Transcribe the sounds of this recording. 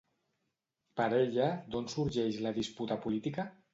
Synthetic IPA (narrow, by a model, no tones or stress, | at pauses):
pəɾeʎəd̪onsuɾʒɛʃlaðisput̪əpulit̪ikə